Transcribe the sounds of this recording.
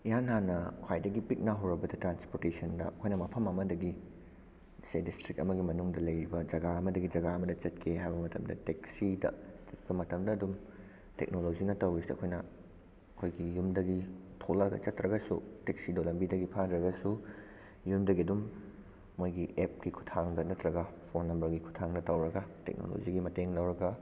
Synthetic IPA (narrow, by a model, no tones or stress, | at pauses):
ijanːanɐkʰwajdɐɡipik̚naɦɐwɾɐbɐdɐtɾanspoɾtesɐndɐɐkʰojnɐmɐpʰɐmɐmɐdɐɡi | sedistɾik̚ɐ̰mɐɡimɐnuŋdɐlɐjɾibɐd͡ʒɐɡaɐmɐdɐɡid͡ʒɐɡaɐmɐdɐt͡ʃɐtkʰeɦajbɐmɐtɐmdɐ̰teksidɐ̰t͡ʃɐt̚bɐmɐtɐmdɐːdum | tek̚nolod͡ʒinɐtɐwɾisɐ̰kʰojnɐ | ɐkʰojɡijumdɐɡitʰolaɡɐ̰t͡ʃɐtɾɐɡɐsṵteksidolɐmbidɐɡipʰandɾɐɡɐsu | jumdɐɡiɐdumː | ojɡiʔep̚kikʰu̥tʰaŋdɐnɐtɾɐɡɐpʰonːɐmbɐɾɡikʰu̥tʰaŋnɐtɐwɾɐɡɐtḛk̚no̰lo̰d͡ʒiɡimɐteŋlɐwɾɐɡɐ